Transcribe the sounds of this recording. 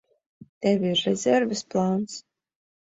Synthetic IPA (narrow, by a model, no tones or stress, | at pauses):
t̪ɛvʲiiɾːɛzʲɛɾvʲɪsplˠant̪s